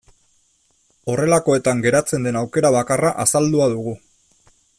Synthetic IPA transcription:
o̞re̞lako̞e̞t̪aŋɡe̞ɾat͡se̞nd̪e̞nawke̞ɾaβ̞akaraʔasald̪uaðuɣ̞u

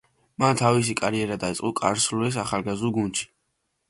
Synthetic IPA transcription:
mant̪ʰavis̬ikʼaɾiɛɾad̪ait̪sʼqʼɔkʼa̰ɾsluɛs̬aχalɡazuɡund̪ʃi̥

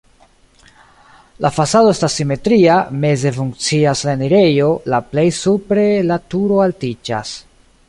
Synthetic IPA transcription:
lafasado̞e̞stasːime̞tɾiame̞ze̞fuŋkt͡siaslaniɾe̞jo̞laple̞jsupɾe̞latuɾo̞altid͡ʒa̰s

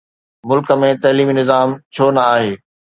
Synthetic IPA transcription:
mʊlkə̆mẽt̪ɐːliːminɪzaːmt͡ɕʰoːnɐaːɦeː

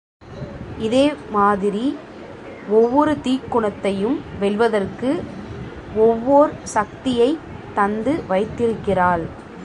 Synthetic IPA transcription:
ɪðeːmaːðɪɾi | ɔʋːɔɾɯt̪iːkːʊɳɐt̪ːɐjɯmʋɛɭʋɐðɐrkɯ | ɔʋːɔːɾsɐk̚t̪ɪjɐɪ | t̪ːɐnd̪ɯʋɐɪt̪ːɪɾɯkːɪraːl

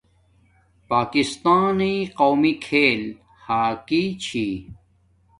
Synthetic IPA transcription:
paːkist̪aːniqoːmikʰeːl | haːkit͡ɕʰi

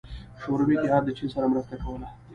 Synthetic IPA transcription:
ʃoɾanik̪ɪɦɑd̪ːət͡ʃinsaɾamɾəst̪akawəla

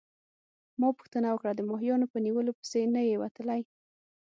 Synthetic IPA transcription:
mɑpuxt̪ənawəkɽad̪əmɑɦjɑnopəniwəlopə̥senajewat̪əlaj

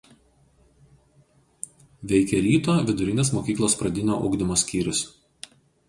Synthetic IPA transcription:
ʋʲɛɪkʲɛɾʲiːt̪oːʋʲɪd̪ʊɾʲɪnʲeːsmoːkʲiːklˠoːspɾɐd̪ʲɪnʲoːʔʊ̰ɡd̪ʲɪmoːsʲkʲiːɾʲʊs

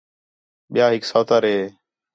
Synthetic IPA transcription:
ɓɪjaːɦɪksaːt̪aːɾeː

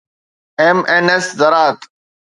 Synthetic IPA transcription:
eːmeːneszəɾaːt̪

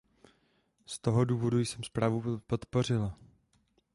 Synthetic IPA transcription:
st̪o̞ɦo̞duːvo̞dujsɛmspɾaːvupo̞t̪po̞r̝ɪla

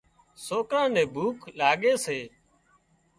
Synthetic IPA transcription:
soːkɾãːnẽːbʱuːkʰlaːɠeːseː

